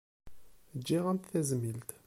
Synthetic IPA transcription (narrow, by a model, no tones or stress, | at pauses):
d͡ʒːiʁænt̪θæzmilt̪